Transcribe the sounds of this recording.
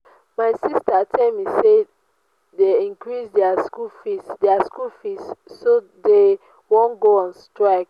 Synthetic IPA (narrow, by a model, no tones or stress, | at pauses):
maɪsistatʰɛlmise | deĩŋkɹisdɛaskulfisdɛaskulfisːo | de | wɔ̃nɡoɔ̃nstɹaɪk̚